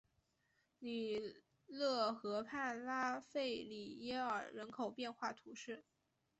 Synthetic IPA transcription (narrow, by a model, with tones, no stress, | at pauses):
li˨˩ | lɤ˥˩xɤ˧˥pʰa˥˩nla˥fe˥˩ɪli˨˩jɛ˥ə̰˞˨˩ɻə˧˥nkʰo˨˩ʊpjɛ˥˧nxwa˥˩t̪ʰu˧˥ʂɻ̩˥˩